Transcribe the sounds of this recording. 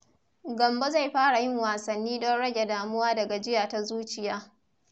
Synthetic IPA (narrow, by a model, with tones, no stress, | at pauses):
ɡɐ˨mba˦za˦˨jɸaː˦ɽa˨jɪ˦˨ŋwaː˨sɐ˨nːiː˦ɗɔ˦nɽɐ˦ɡʲe˨daː˨mʊ˦waː˦dɐ˨ɡa˨d͡ʒɪ˦jaː˨ta˦zuː˦t͡ʃɪ˨jaː˦